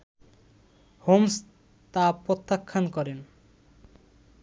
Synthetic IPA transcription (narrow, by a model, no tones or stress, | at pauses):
homs | t̪apɾot̪ːakʰːankɔɾen